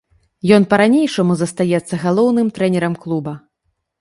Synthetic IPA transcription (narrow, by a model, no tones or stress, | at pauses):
jɔnpɐɾanʲejʂɐmuzɐst̪ajɛt̪sːɐɣalˠɔwnɨmt̪ɾɛnʲɛɾɐmklˠubɐ